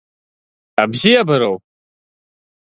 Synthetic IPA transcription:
abzijabɨɾow

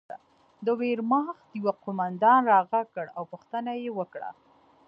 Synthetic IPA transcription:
a̰ | d̪əweɾmɑxd̪əjwaqʊmand̪ɑnɾɑɣakəɽawpʊxt̪ənajewəkɽa̰

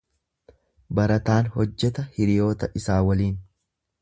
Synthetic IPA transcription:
bɐɾɐt̪aːnhɔd͡ʒːɛt̪ɐhɪɾɪjo̞ːt̪ɐʔɪsaːwɐliːn

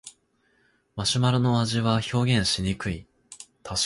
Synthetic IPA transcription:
maɕimaɾɯ̟no̞aʑiβaço̞ːɡʲẽ̞ɰ̃ɕiɲ̟ikɯ̟i | t̪ʰaɕ

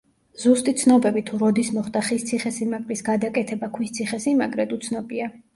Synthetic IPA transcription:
z̥ust̪ʼit̪sʰnɔbɛbit̪ʰuɾɔd̪ismɔχd̪aχist̪sʰiχɛsimakʼlisɡad̪akʼɛt̪ʰɛbakʰwist̪sʰiχɛsimaɡʼɾɛd̪ut̪sʰnɔbia

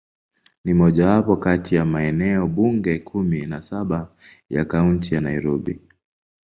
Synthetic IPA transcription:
nimɔʄawapɔkatʰijamaɛnɛɔɓuŋɡɛkʰuminasaɓa | ja̰kauntijanaiɾɔɓḭ

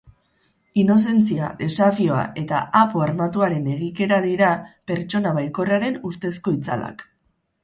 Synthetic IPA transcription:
ino̞s̬e̞nt͡sia̰ðe̞safio̞a̰ʔe̞t̪a̰apoaɾmat̪uaɾe̞ne̞ɣ̞ike̞ɾaðiɾape̞ɾt͡ʃo̞naβajko̞reaɾe̞nust̪e̞sko̞it͡sa̰la̰k

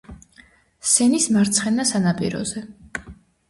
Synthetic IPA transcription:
sɛnismaɾt̪sʰχɛnasanapʼḭɾɔ̰zɛ

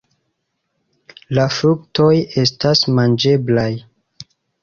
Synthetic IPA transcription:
lafɾukto̞je̞stasmand͡ʒe̞blaj

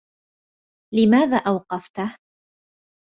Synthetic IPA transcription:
lɪmaːðaːʔawqɑft̪h

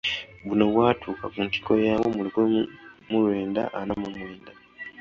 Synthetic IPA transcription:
βuno̞βwaːtʰuːkakunti̥ko̞jaːwo̞mulikomulwe̞ːnda̰ʔanamamwe̞ːnda

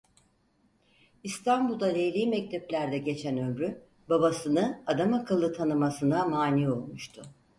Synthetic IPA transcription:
ist̪ʰanbulˠd̪alejlʲiːmɛc̚t̪ʰɛplʲæɾd̪ɛɟe̞t͡ʃʰænø̞mɾy | babasɯnɯad̪amakʰɯlˠːɯt̪ʰanɯmasɯnamaːniːo̞lˠmuʃt̪ʰʊ

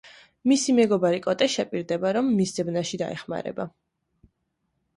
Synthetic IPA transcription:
misimɛɡɔbaɾikʼɔt̪ʼɛʃɛpʼiɾd̪ɛbaɾɔmːiszɛbnaʃid̪a̰ɛ̰χma̰ɾɛ̰ba

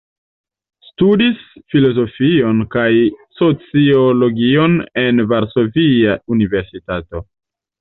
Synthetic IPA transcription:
studisfilo̞zo̞fio̞nkajso̞t͡siolo̞ɡio̞ne̞nvaɾso̞viaunive̞ɾsitato̞

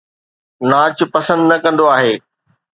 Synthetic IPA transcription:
naːt͡ɕʊ̆pɐsə̃nd̪nɐkɐ̃nd̪oaːɦeː

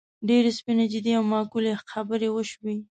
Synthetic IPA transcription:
ɖeɾespinad͡ʒɪd̪iawmɑkulexabəɾewəʃwi

